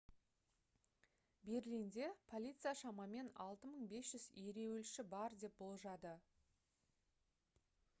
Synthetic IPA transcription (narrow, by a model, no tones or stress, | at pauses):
be̞ɾlʲind̪e̞pʰo̞lʲijt̪sɨjaʃɑmɑme̞nɑ̰lˠt̪əməɴbe̞sʒ̥ʏzeɾe̞wɪlʃɪbɑɾd̪e̞p̚bolˠʒɑd̪ə